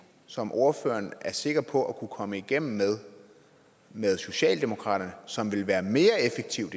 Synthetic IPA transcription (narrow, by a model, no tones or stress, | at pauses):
sɒ̽mʔo̝ɐfø̰ːɐnæɐse̝ɡ̥ɐpʰɒ̽ʔækʰukʰɒ̽məiɡ̥em̰m̩eðˠ | meðˠso̝ɕɛ̰ːld̥e̝mo̝kʰʁɑ̰̈ːɾ̥ɐnəsɒ̽mʋe̝lʋæːɐme̝ːɐefeɡ̥̚t͡sʰiʊ̥